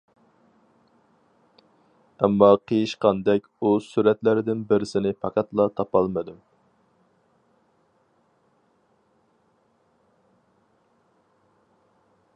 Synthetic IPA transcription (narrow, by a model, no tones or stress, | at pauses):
ɛmːɑqʰəjiʃqɑnd̪ɛkʲusuɾɛt̪lɪɾɪd̪ɪnbɪɾɪsɪnɪpʰɑqʰɑt̪lˠɑt̪ʰɑpɑlˠmɨd̪um